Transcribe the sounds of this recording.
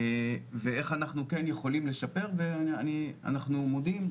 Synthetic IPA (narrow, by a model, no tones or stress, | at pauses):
veeχanaχnukenjeχo̞limle̞ʃape̞ʁveanania̰naχnumo̞d̪im